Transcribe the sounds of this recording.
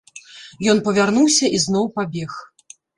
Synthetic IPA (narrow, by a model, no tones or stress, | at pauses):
jɔn̪pɐvʲarnuwsʲɐʔiznɔwpabʲɛx